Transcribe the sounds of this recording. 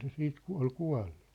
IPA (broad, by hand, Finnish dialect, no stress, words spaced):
se siːt ku ol kuɑ̝lːu̥